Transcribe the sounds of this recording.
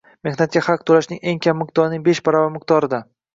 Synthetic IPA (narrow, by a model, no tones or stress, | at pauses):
me̞hnat̪̚kʲaχɑqt̪ʰolaʃnɪ̰ŋe̞ŋkʲʰamːɪq̚t̪ɒɾnɪŋbe̞ʃbɒɾavamɪq̚t̪ɒɾɪd̪a